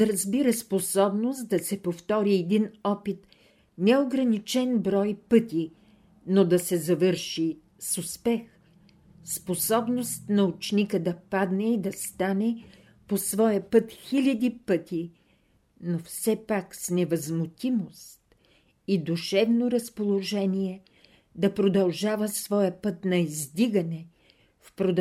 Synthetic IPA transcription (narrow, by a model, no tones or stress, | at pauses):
ɐɾɐzbiɾəsposɔbnosd̪ɐsɛpoft̪ɔɾiɛd̪inɔpit̪ | nɛoɡɾɐnit͡ʃɛnbɾɔjpɤt̪i | nod̪ɐsɛzɐvɤɾʃi | sʊspɛx | sposɔbnost̪nɐut͡ʃnikəd̪ɐpad̪nɛid̪ɐst̪anɛ | posvɔjəpɤt̪xilʲɐd̪ipət̪i | nofsɛpaksnɛvɐzmʊt̪ʲimost̪̚ | id̪uʃɛvnoɾɐspolˠoʒɛniɛ | d̪ɐpɾod̪ɐlˠʒavəsvɔjəpɤt̪nɐizd̪iɡɐnɛ | fpɾod̪